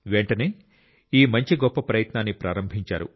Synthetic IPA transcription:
ʋeɳʈɐne̞ː | iːmɐɲt͡ʃiɡɔpːɐpɾɐjɐt̪naːnːipɾa̰ːɾɐmbʱiɲt͡ʃa̰ːɾṵ

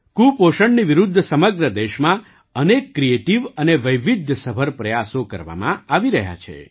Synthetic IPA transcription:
kupoʃəɳniʋɪɾʊd̪ʱːsəməɡɾəd̪eʃmã | ənekːɾieʈiʋəneʋəjʋid̪ʱːsəbʱəɾpɾəjasokə̰ɾʋa̰mã̰aʋiɾəɦja̰t͡ʃʰḛ

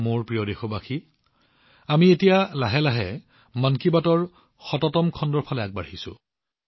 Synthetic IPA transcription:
moɹpɹijɔdexɔbaxʰi | amietijalaɦɛlaɦɛ | mankibatɔɹ | xɔtɔtɔmkʰɔndɔɹpʰalɛak̚baɹhisʊ̰̃

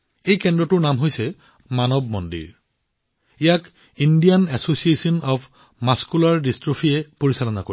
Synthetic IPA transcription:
ejkɛndɹɔtʊɹnamɦojsɛ | manɔbmɔndḭɹ | ijak | indianɛsosiesɔnɔpʰ | maskulaɹdistɹopʰijɛpoɹisalɔnakoi

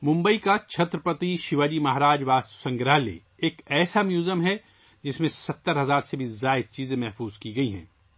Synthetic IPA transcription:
mʊ̃mbəikat͡ʃʰɐt̪ɾəpɐt̪iʃɪʋaːd͡ʒimɐɦɾaːd͡ʒʋaːssɐ̃ŋɡɾaːlḛ | eːkɛːsamjuːzəmɦɛ | d͡ʒɪsmẽsɐt̪ːəɾɦɐzaːɾsebʱizaːɪd̪̚t͡ʃiːzẽmɛɦfuːzkiɡɐiɦɛ̰̃ː

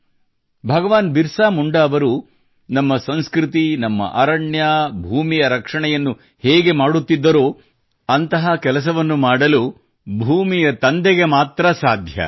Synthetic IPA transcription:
bʱɐɡɐʋaːnbiɾsaːmuɳɖɐːʋɐɾu | nɐmːɐsɐnskɾit̪inɐmːɐ̰ʔɐːɾɐɳjabʱuːmijɐɾɐkʂɐɳɛjɐnːu | hɛːɡe̞maːɽut̪ːid̪ːɐɾoː | ɐnt̪ɐɦɐkɛlɐs̬ɐʋɐnːumaːɽɐlu | bʱuːmijɐt̪ɐnd̪eɡe̞maːt̪ɾɐsaːd̪ʱjɐ̰

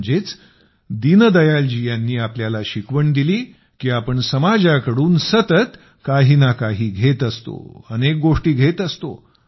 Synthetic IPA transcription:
d͡ʑet͡s | d̪inəd̪əjald͡ʑijanːiːapljalaɕikʋəɳd̪iliː | kiːapəɳsəmad͡ʑakəɽuːnsət̪ət̪ | kaɦiːnakaɦiːɡʱet̪əst̪o̰ənek̚ɡoʂʈiːɡʱet̪əst̪o̰

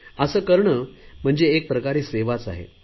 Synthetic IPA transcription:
əsəːkəɾɳəm̤əɳd͡zeːk̚pɾəkaɾiːseʋat͡sa̰ɦḛ

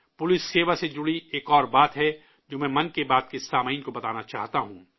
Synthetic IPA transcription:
pʊlɪsːeːʋased͡ʒʊɽieːkɔːɾbaːt̪ɦɛ | d͡ʒoːmɛ̃mɐ̃nkebaːd̪̚kesaːmaiːnkobɐt̪aːnat͡ʃa̰ːɦt̪aɦũː

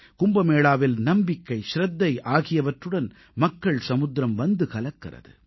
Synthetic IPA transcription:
kʊmbɐmeːɭaːʋɪlnɐmbɪkːɐɪʃɾɐd̪ːɐɪʔaːɣɪjɐʋɐʈrɯɽɐn | mɐkːɐɭsɐmʊd̪ɾɐmʋɐnd̪ɯkɐlɐkːɐ̰rɐ̰ðɯ̰

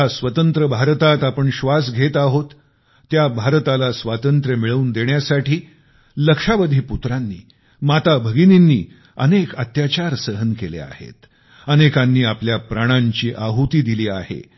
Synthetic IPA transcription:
asʋət̪ənt̪ɾəbʱaɾt̪at̪apəɳɕʋasɡʱet̪aɦot̪ː | jabʱaɾt̪alasʋat̪ənt̪ɾjəmiɭəuːnd̪eɳjasaʈʰiː | ləkʂaʋəd̪ʱiːput̪ɾanːḭː | mat̪abʱəɡininːiː | ənekət̪jat͡ɕaɾsəɦənkelḛa̰hḛt̪ | ənekanːiːapljapɾaɽ̃aɲt͡ɕiːʔaɦut̪iːd̪iliːahḛ

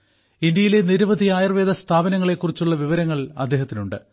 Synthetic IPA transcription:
ind̪jɐjile̞niɾuʋɐd̪ʱiaːjɐrʋe̞ːd̪ɐst̪ʰaːbɐnɐŋːɐɭe̞kːurit͡ɕːuɭːɐʋiʋɐɾɐŋːɐɭɐd̪ːeːɦɐt̪ːinuɳɖɨ

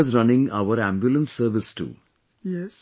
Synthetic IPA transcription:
ɪzɾʌ̃nɪ̃ŋa̰ʋəɾæ̃ːmbjulə̃nsːəɾʋɪsʈṵː

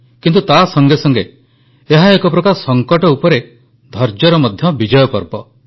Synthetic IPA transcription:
kint̪ut̪asɔŋɡesɔŋɡeː | ɦaekɔpɾɔkaɾsɔŋkɔʈɔupɔɾe | d̪ʱɔɾd͡ʒɔɾɔmɔd̪ʱjɔbid͡ʒɔjɔpɔɾbɔ

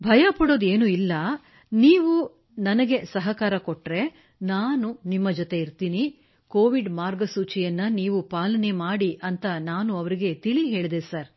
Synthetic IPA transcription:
bʱɐjɐpɐɽo̞ːd̪e̞ːnuːilːɐ | niːʋu | nɐnɐɡe̞sɐɦɐkaːɾɐkoʈɾe̞ | naːnunimːɐd͡ʒɔt̪e̞iɾt̪iːni | koːʋiɖmaːɾɡɐsuːt͡ʃijɐnːɐniːʋupaːlɐne̞maːɽiʔɐnt̪ɐnaːnuɐʋɐɾiɡe̞t̪iɭiɦe̞ːɭd̪e̞sɐɾ

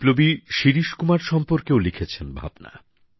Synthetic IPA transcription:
plobiʃiɾiʃkumaɾʃɔmpoɾkewlikʰet͡ɕʰenbʱa̰bna̰

